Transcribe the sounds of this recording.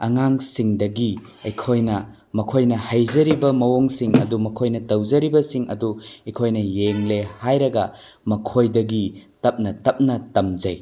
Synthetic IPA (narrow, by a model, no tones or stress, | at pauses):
ɐŋaŋsiŋdɐɡi | ɐjkʰojnɐ | mɐkʰojnɐhɐjzɐɾibɐmɐwoŋsiŋɐ̰dumɐkʰojnɐtɐwzɐɾibɐsiŋʔɐ̰duɐjkʰojnɐjeŋlehajɾɐɡɐ | mɐkʰojdɐɡitɐp̚nɐtɐp̚nɐtɐmzɐj